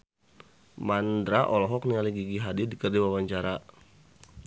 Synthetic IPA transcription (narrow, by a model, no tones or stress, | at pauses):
mandɾaʔɔlɔɦɔk̚niŋaliɡiɡiɦadidikərdiwawaɲt͡ʃaɾa